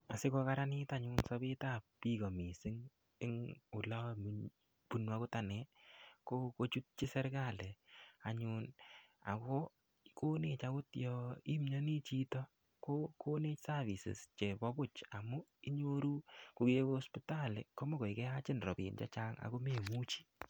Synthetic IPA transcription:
a˨sɪ˦kɔ˧kaɾa˦nɪ˦taɲunsɔ˦bi˦ta˦ppi˦ko˨mi˨sɪ˦ŋ | ɪ˦ŋu˨la˦mu | pu˦nwa˦kʊ˦ta˨nɛ˦ko˦ko˦t͡ʃu˦t̚t͡ʃi˦sɛ˦ɾka˦˨lɛ˨a˨ɲuna̰˨kɔ˦ | ko˦ne˨t͡ʃa˦kʊ˦tjɔ˨i˦mɲɔ˦ni˦t͡ʃi˦tɔ˦ | ko˦kʰo˦ne˦sa˦vi˨sɪ̰˨st͡ʃe˨bɔ˦bʊ˦t͡ʃa˨mu˦i˦ɲo˦ɾu˦ku˨ke˦ko˦ɔ˦spi˦ta˦lɪ̰˨ko˦mo˦ko˨i˨kɛ˦at͡ʃɪ˦nrɔ˨pḭː˨nt͡ʃa̰˦t͡ʃa˦ŋa̰˨ko˦me˨mu˦t͡ʃi̥˦

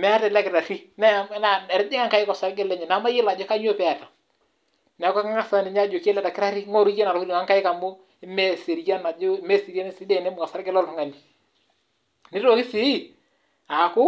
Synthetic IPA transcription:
mɛ˦a˦tɛ˨la˦kɪ˨ɾa˨ɾi˦nɛ˦˨˦na˨ɛ˨ɾd͡ʒɪ˦ŋa˦ŋka˨˦ɪ˦kɔ˨sa˨ɾɡɛ˦lɛ˦ɲɛ˨na˨˦ma˦jɪ˦la˨d͡ʒɔ˦ka˦ɲ˦o˦pɛ˨a˨ta˨ | n˨a˨ka˦ka˦ŋa˦sa˦nɪ˨ɲa˦d͡ʒo˨ke˦lɛ˦˨ta˨kɪ˦ɾa˦ɾi˦ŋɔ˦ɾu˦je˦na˨ɾu˦ɾi˨ŋa˦ŋka˦ɪ˦ka˨mʊ˦ | ɪ˦mɛ˦˨se˨ɾja˦na˨d͡ʒo˦ɪ˦me˦si˨ɾja˦n˦sɪ˦de˨nɛ˦mʊ˨a˨sa˦ɾɡɛ˦lɔ˦lmʊ˦ŋa˨ni˨ | nɪ˦ɾo˨˦kɪ˦sɪ˦˨ | a˨kʊ˦

